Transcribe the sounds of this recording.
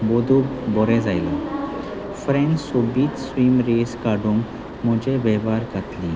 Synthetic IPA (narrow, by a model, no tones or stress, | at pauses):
bod̪ʱuːbɔɾẽd͡zajlɔ | fɾẽnd͡ʑsobiːt̪sʋiːmɾeskaɖũːŋk | mɔd͡ʑeʋɛʋaɾkat̪li